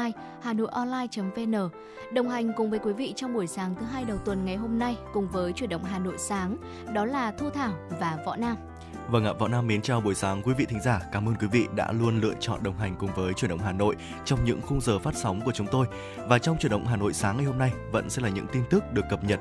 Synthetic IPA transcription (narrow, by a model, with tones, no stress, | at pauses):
j | haː˨˩no̰˧˨jʔɔ˧nlaː˧jt͡ɕə˨˦mve˧nəː˧˩ | ɗə˨˩wŋ͡mɦa˨˩jŋ̟kʊ˨˩ŋ͡mvəː˨˦jkwi˨˦vḭ˧˨t͡ɕɔ˧wŋ͡mɓu˧˩əjsaː˨˦ŋt̪ʰɨ˨˦ɦaː˧jɗə˨˩wt̪wə˨˩nŋa˨˩jɦo˧mna˧jkʊ˨˩ŋ͡mvəː˨˦jt͡ɕwi˧˩ənɗə̰˧˨wŋ͡mɦaː˨˩no̰˧˨jsaː˨˦ŋ | ɗɔ˨˦laː˨˩t̪ʰu˧t̪ʰaː˧˩wvaː˨˩vɔ̰˧˨naː˧m | və˧˩ŋa̰ː˧˨˩vɔ̰˧˨naː˧mːi˨˦ənt͡ɕaː˧wɓu˧˩əjsaː˨˦ŋkwi˨˦vḭ˧˨t̪ʰi˨˦ŋzaː˧˩kaː˨˦mʔəː˧nkwi˨˦vḭ˧˨ɗa̰ː˧˥lu˧ənlɨ̰˧ət͡ɕɔ̰˧˨nɗə˨˩wŋ͡mɦa˨˩jŋ̟kʊ˨˩ŋ͡mvəː˨˦jt͡ɕwnɗə̰˧˨wŋ͡mhaː˨˩no̰˧˨j | t͡ɕɔ˧wŋ͡mɲɨ̰˧˥ŋxʊ˧ŋ͡mzəː˨˩faː˦˥t̚sa˨˦wŋ͡mku˧˩ət͡ɕʊ˨˦ŋ͡mt̪o˧j | vaː˨˩t͡ɕɔ˧wŋ͡mt͡ɕwənɗə̰˧˨wŋ͡mɦaː˨˩no̰˧˨jsaː˨˦ŋa˨˩jho˧mna˧jvə̰˧˥nsɛ̰˧˥laː˨˩ɲɨ̰˧˥ŋt̪i˧nt̪ɨ˦˥k̚ɗɨ˨˩əkːə˨˩p̚ɲə˨˩t̚